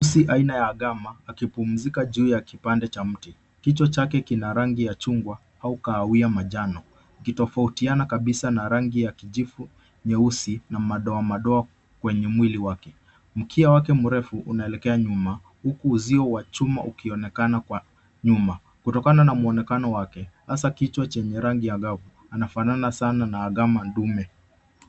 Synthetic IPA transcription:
siʔainajaːɠamaːkipum̩zikaʄuːjakipandɛt͡ʃam̩ti | kit͡ʃɔt͡ʃakɛkinaɾaŋɡijat͡ʃuŋɡwa | haukaːwiamaʄanɔ | ikitɔfautianakaɓisanaɾaŋɡijakiʄifu | ɲɛusinamaɗɔamaɗɔa | kwɛɲɛmwiliwakɛ | m̩kʰiawak̬ɛmuɾɛfuʔunaɛlɛkɛaɲuma | hukuːziɔwat͡ʃuma̰ʔukiɔnɛkanakwa | ɲuma | kutɔkananamuɔnɛkanɔwakɛhasakit͡ʃwat͡ʃɛɲɛɾaŋɡijaɠavu | anafananasananaːɠamandumɛ

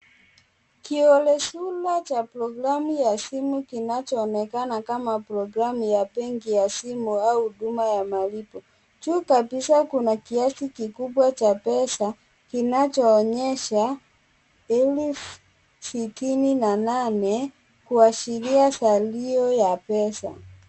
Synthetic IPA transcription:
kiɔlɛsulat͡ʃapɾɔɡɾamujasimukinat͡ʃɔːnɛkanakamapɾɔɡɾamujapɛŋɡijasimuauhuɗumajamalipɔ | t͡ʃukabisakunakiasikikuɓwat͡ʃapɛsa | kinat͡ʃɔːɲɛʃa | ɛlɛf | sitininananɛ | kuaʃiliasaliɔjapɛsa̰

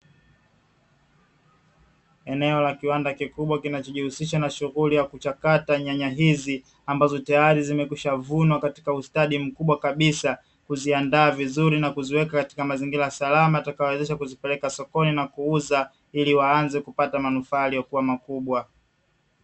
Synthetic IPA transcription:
ɛnɛɔlakiwandakikuɓwakinat͡ʃɔʄihusiʃanaʃuɣulijakut͡ʃakataɲaɲaɦizi | ambazɔtajaɾizimɛkwiʃavunwakati̥kaustaɗim̩kuɓwakaɓisa | kuziandaːvizuɾinakuziwɛkakati̥kamaziŋɡiɾajasalamajatakajɔwɛzɛʃakuzipɛlɛkasɔkɔninakuuza | iliwaanzɛkupatamanufaːlijɔkuwamakuɓwa

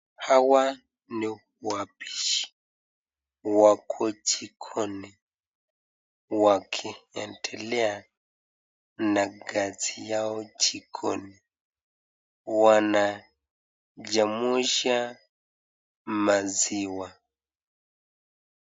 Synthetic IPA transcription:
hawa | ni | uapi̥ʃi̥ | wakʰɔt͡ʃikʰɔni | wakʰiɛntʰɛlɛa | naɡazijaɔt͡ʃikʰɔni | wana | d͡ʒamuʃa | maziwa

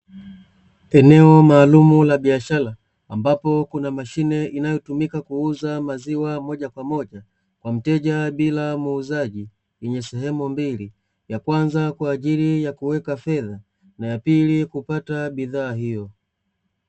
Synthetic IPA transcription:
ɛnɛɔmaːlumulaɓiaʃalaː | mbapɔkunamaʃinɛinajɔtumikakuuzamaziwamɔʄakwamɔʄa | kwam̩tɛʄaɓilamuːzaʄi | jɛɲɛsɛɦɛmumbili | jakwanzakwaːʄilijakuwɛkafɛða | najapilikupataɓiðaːɦijɔ

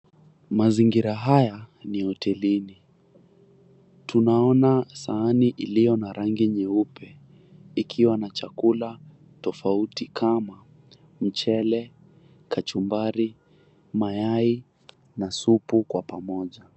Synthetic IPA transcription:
maziŋɡiɾaɦajanihɔtʰɛlini | tʰunaɔnasaːniʔilijɔnaɾaŋɡiɲɛupʰɛ | ikʰiwanat͡ʃakula | tɔfautikʰama | m̩t͡ʃɛlɛ | kʰat͡ʃumbaɾi | majai | nasupukwapamɔʄa

